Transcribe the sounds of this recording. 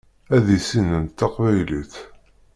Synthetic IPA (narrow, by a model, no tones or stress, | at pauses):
æðisinənt̪ːɑqvæjliθ